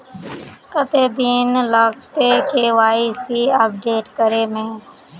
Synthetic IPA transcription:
kət̪eːd̪iːnlaːkt̪ekeːʋaːisiəp̚ɖeːʈkəɾeːmẽː

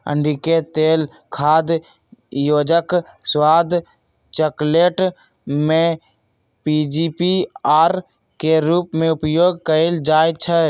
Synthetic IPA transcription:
ə̰̃ɳɖiket̪eːl | kʰaːd̪ | joːd͡ʒək | swaːd̪ | t͡ʃəkleːʈ | mẽ | piːd͡ʒiːpiaːɾ | keɾuːpmẽʊpjoːɡ̚kəɪld͡ʒaːt͡ʃʰɛ

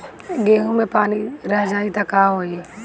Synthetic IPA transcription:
ɡeːɦũmẽpaːniɾəɦd͡ʒaːit̪ɐkaɦoːe

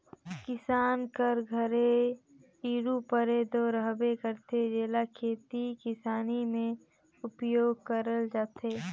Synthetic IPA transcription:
kɪsaːnkəɾɡʱəɾe | iːɾupəɾed̪oːɾəɦbekəɾt̪ed͡ʒeːlakʰeːt̪ikɪsaːnimẽ | ʊpjoːɡ̚kəɾəld͡ʒaːt̪eː

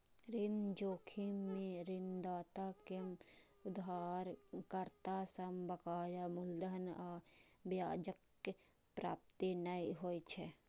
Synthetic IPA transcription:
ɾɪnd͡ʒoːkʰimẽɾɪnd̪aːt̪ake | ʊd̪aːɾkəɾt̪asəmbəkaːjamʊld̪ənaːbjaːd͡ʒəkː | pɾa̰ːp̚t̪inəiɦoit͡ʃʰɛ

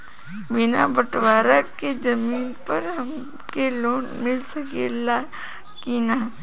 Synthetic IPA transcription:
bɪnabɐʈʋaːɾaked͡ʒɐmiːnpɐɾɦɐm | keloːnmɪlsɐɡḛːla | kinaː

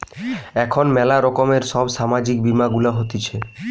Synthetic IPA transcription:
ɛkʰonmɛlaɾɔkomeɾʃɔbʃamad͡ʑik̚bimaɡulaɦot̪it͡ɕʰe

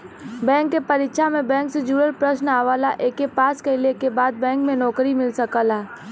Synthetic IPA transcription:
bɛ̃ːŋkːepɐɾitʃamẽbɛ̃ːŋksed͡ʒuːəlpɾəʃnaːʋaːlaʔeːkːepaːskɐɪlekebaːd̪̚bɛ̃ːŋkmẽnɔːkɾimɪlsɐkəlɛː

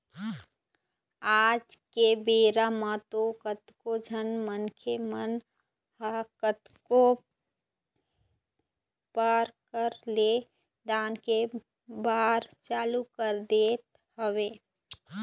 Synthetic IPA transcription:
aːd͡ʒkebeːɾamãt̪okət̪kod͡ʒʱənmənkʰemən | hakət̪ko | pəɾkəɾle | d̪aːnke | baːɾt͡ʃaːlukəɾd̪eːt̪ | həʋeː

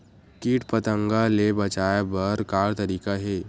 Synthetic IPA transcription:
kiːʈpət̪ə̃ŋɡalebɐt͡ʃaːjabəɾkaːɽt̪ɐɾiːkaɦeː

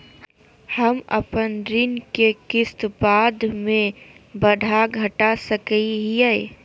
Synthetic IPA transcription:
həmɐ̰pənɾɪnkekɪst̪baːd̪ʱmẽbəd̪ʱaɡʱɐʈasəkəiɦiɛe

